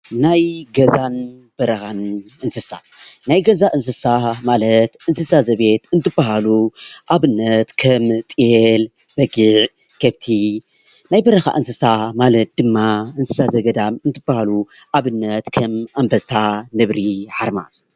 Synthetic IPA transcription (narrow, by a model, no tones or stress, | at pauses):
najɡɐzan | b̥ɐɾɐxanʔɨnsɨsa̰ | najɡɐzaʔɨns̬ɨsamalɐt̪ʔɨnsɨsazɐβe̞t̪ɨnt̪ʰɨbaɦaluʔaβɨnːɐt̪kʰɐmt̪ʼijel | b̥ɐɡɨʕ | kʰɐβt̪ʰi | najbɐɾɐxa̰ʔɨnsɨsamalɐt̪̚d̪ɨmːaɨnsɨsazɐɡɐd̪amɨnt̪ʰɨb̥ahalu | ʔaβɨnːɐt̪kʰɐmʔambɐsanɨβɾiʕaɾma̰z